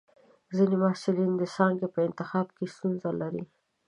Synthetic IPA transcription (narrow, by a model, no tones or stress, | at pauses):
zinemahsɪlind̪əsɑŋɡepəɪnt̪ɪxɑbkest̪unzalaɾi